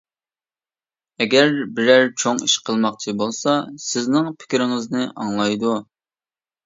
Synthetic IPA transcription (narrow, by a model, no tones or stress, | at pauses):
ɛɡʲæɾbɪɾæɾt͡ʃʰoŋiʃqʰəlˠmɑqt͡ʃʰibolˠsɑsɪznɪŋpʰɪ̥kʲɾɪŋɨznɨʔɑŋlˠɑjd̪u